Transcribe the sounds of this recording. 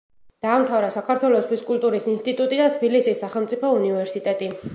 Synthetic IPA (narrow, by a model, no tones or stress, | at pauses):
d̪̥aːmt̪ʰavɾasakʰaɾt̪ʰwɛlɔswiskʼult̪ʼuɾisinst̪ʼit̪ʼut̪ʼid̪at̪ʰbilisisːaχɛlˠmt̪sʼipʰɔunivɛɾsit̪ʼɛt̪ʼi